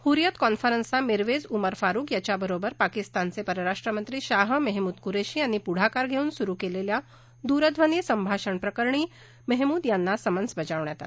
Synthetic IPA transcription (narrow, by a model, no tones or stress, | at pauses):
huɾjət̪kɔnfəɾənsamiɾʋed͡zuməɾfaɾuːkjat͡ɕabəɾobəɾpakist̪ant͡sepəɾəɾaʂʈɾəmənt̪ɾiːɕaɦməɦmuːd̪kuɾeɕiːañipuɽ̤akaɾɡʱeuːnsuɾuːkelelja | d̪uɾəd̪ʱʋənisəmbʱaɕəɳpɾəkəɾɳiː | məɦmuːd̪janːasəmənsbəd͡ʑaʋɳjat̪a̰t̪